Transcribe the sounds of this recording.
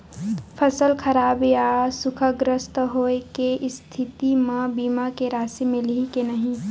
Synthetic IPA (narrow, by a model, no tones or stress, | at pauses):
pʰəsəlkʰəɾaːbjasʊkʰəɡɾəst̪ɦoːekeʔst̪ʰit̪imə̃biːmakeɾaːsimɪ̃likenəɦĩ